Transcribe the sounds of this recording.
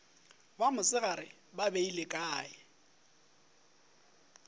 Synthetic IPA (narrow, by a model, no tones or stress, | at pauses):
bamʊsɪɣaɾɪ | babeilɪkʼaːɪ